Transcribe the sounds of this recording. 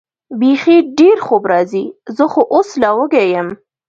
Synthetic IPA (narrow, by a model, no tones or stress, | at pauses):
bexiɖeɾxobɾɑzizəxoʔoslawəɡajəm